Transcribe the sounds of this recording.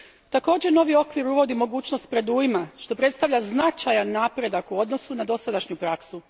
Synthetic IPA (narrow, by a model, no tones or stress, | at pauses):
t̪ako̞ːd͡ʑeno̞ʋio̞kʋiɾuʋo̞d̪imo̞ɡuːt͡ʃnost̪̚pɾe̞d̪ujimaʃt̪o̞pɾe̞t̪st̪aʋʎaznat͡ʃajanːapɾe̞d̪akuo̞d̪no̞sunad̪o̞sad̪aʃɲupɾaksu